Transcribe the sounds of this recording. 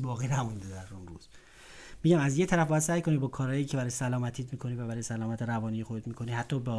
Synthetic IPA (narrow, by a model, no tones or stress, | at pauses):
bɒːɣiːnæmund̪ed̪æɾunɾṵz̥ | miːɟæmæzjet̪ʰæɾæfbɔɒːæd̪sæːjkonibɒːkʰɒːɾɒːjiːcʰebæɾɒːjesælɒːmæt̪ʰiːt̪miːkʰo̞nivæbæɾɔjesælɒːmæt̪ʰeɾævɒːnijexod̪et̪miːkʰonihæt̪ʰːɒːbe